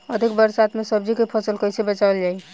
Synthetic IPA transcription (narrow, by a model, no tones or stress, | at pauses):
əd̪ʱikbəɾsat̪mesəb̚d͡ʒikepʰəsəlkəjsebət͡ʃald͡ʒaj